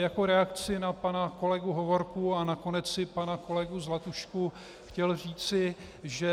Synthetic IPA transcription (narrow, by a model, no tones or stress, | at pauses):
jako̞ɾɛakt͡sɪnapanako̞lɛɡuɦo̞vo̞ɾkuanako̞nɛt͡sɪpanako̞lɛɡuzlat̪uʃku | xcɛlriːt͡sɪ | ʒɛ